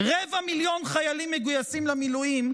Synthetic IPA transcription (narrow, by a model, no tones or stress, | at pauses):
ʁevamiljo̞nχajalimːeɡujasimlamilujim